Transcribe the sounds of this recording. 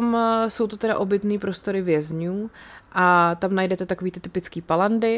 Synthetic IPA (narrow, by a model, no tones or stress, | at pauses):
msowt̪ot̪ɛda̰ʔo̞bɪt̪niːpɾo̞st̪o̞ɾɪvjɛzɲuːʔat̪amnajdɛt̪ɛt̪akoviːt̪ɪt̪ɪpɪt͡skiːpalandɪ